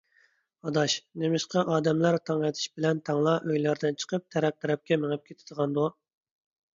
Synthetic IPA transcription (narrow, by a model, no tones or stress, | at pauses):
ɑd̪ɑʃnemɪʃqɑʔɑːd̪ɛmlæɾt̪ʰɑŋɛt̪ʰɪ̥ʃbɪlɛnt̪ʰɑŋlˠɑʔøjlæɾd̪ɪnt͡ʃʰə̥qʰəp̚t̪ʰɛɾɛp̚t̪ʰɛɾɛp̚kʲɛmeŋɨp̚kʲʰet̪ʰɪ̥d̪̥əʁɑnd̪u